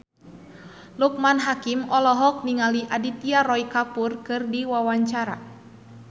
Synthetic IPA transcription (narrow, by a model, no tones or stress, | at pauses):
luk̚manɦakimɔlɔɦɔk̚niŋaliʔadit̪iarɔikapurkɨrdiwawaɲt͡ʃaɾa